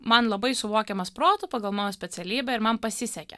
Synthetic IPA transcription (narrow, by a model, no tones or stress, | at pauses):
mɐnlˠɐbɐɪsʊʋoːkʲɛmɐspɾoːt̪upɐɡɐlˠmɑːnoːsʲpʲɛt̪sʲɛlʲiːbʲɛɪɾmɐmpɐsʲɪsʲɛkʲɛ̰